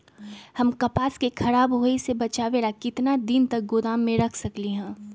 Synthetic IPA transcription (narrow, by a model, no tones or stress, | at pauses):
hɐmkɐpaːskekʰɐɾaːbɦoːesebɐt͡ʃaːʋeːlakɪt̪nad̪ɪnt̪ɐk̚ɡod̪aːmːẽɾɐkʰsɐkliɦɛ̃ː